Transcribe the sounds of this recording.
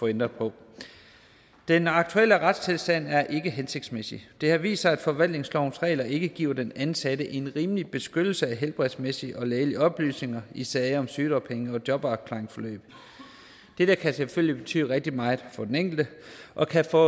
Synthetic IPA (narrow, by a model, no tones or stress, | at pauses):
fɒ̽end̥ʁɐpʰɒ̽ | d̥enɑ̈ɡ̥̚t͡sʰueləʁɑd̥st͡sʰe̝lsd̥æn̰æɐʔe̝ɡ̥əɦense̝ɡ̥̚d̥smesḭd̥e̝hɑʋḭːsɐæd̥fɒ̽ʋæl̰dne̝ŋslɒʊ̰nsʁɛ̰ːlɐʔe̝ɡ̥əɡ̥ḭːɐd̥enænsædəʔe̝nʁiːməlib̥e̝sɡ̥ød̥l̩səæɦelb̥ʁɛð̥ˠsmesiʔɒ̽leːliɒ̽b̥ly̰ːsne̝ŋɐisɛːɒ̽msyːd̥ɒpʰeŋəɒ̽d̥jɒ̽b̥ɑ̈ʊkʰlɑ̈ːeŋsfɒ̽lø̰ːb̥ | d̥eɾ̥æɐkʰæseføl̰lib̥e̝t͡sʰy̰ːʁɛɡ̥̚d̥imɑ̈ːð̩ˠfɒ̽d̥eneŋ̰ɡ̥l̩d̥əʔɒ̽kʰæfɔ